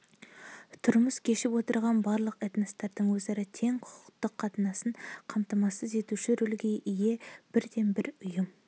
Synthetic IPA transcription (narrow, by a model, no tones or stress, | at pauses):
t̪ʰʊɾməskʲʰe̞ʃɪpwo̞t̪əɾʁɑnbɑɾlˠəqet̪mest̪ɑɾd̪əɴwɵzɑɾət̪ʰe̞ŋqʰʊ̥qʊ̥qt̪əqʰːɑt̪ənɑsəɴqʰɑmt̪ɑmɑsəze̞t̪uʃɪɾʏlɡʲe̞ʔije̞b̥ɪɾd̪e̞mbɪɾʊjəm